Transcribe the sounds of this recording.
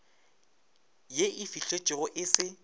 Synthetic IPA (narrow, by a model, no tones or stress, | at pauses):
jeʔɪfiɬet͡ʃʼɪɣʊʔɪsɪ